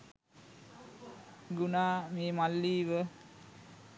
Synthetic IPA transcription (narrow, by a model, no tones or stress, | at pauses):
ɡunaːmeːmalːiːʋə